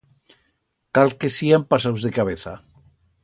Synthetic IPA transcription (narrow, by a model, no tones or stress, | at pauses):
kalkesiampasawzðekaβ̞eθa̰